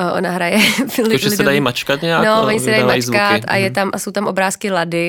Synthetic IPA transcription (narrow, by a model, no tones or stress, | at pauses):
ʔonaɦɾajɛlɪʒɛlɪsɛdajimat͡ʃkat̪ɲɛanovoɲɪssɛdajimat͡ʃzkat̪ʔa̰jɛt̪amʔaso̞wt̪amʔo̞bɾaːskɪladɪ